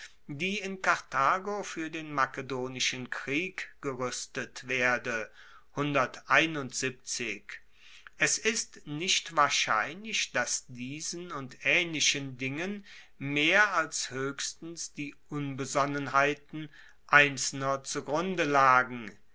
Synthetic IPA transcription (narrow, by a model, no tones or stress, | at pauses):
diːɪnkaʁtʰaːɡofyːɐdeːnmakədoːnɪʃənkʁ̥iːkɡ̥əʁʏstətv̥eːɐdə | hʊndɐtʔaɪnʊntz̥ip̚t͡sɪk | ʔɛsɪstnɪʃtv̥aːɐʃa̰ɪnlɪçd̥asd̥iːzənʊntʔɛːnlɪʃəndɪŋən | meːɐalshøːçstn̩sd̥iːʔʊnbəzɔnənɦaɪtn̩ | ʔaɪnt͡sl̩nɐt͡suɡʁʊndəlaːɡŋ̩